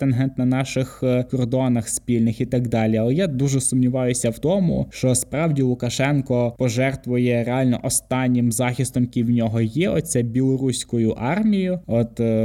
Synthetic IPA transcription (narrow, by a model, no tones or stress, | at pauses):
enɦɛnt̪nɐnɑʃɪxkɔrd̪ɔnɐxspʲilʲnɪxit̪ɑɡd̪ɑlʲiɐlˠɛjad̪uʒɛsʊmnʲiʋɑjʊsʲɐwt̪ɔmʊ̰ʃt͡ʃɔspɾɑwdʲilˠʊkɐʃɛnkɔpɔʒɛrt̪ʋʊjɛɾeɑlʲnɔ̰ʔɔst̪ɑnʲːɪmzɑxʲist̪ɔmkʲiwnʲɔɦɔjɛɔ̰t͡sʲsʲɛbʲilˠɔɾusʲkʊjʊʔɑrmʲijʊɔt̪